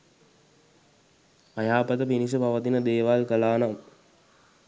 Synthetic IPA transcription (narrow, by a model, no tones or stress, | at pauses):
ajaːpət̪əpinis̬əpaʋət̪inəd̪eːʋalkəlaːnam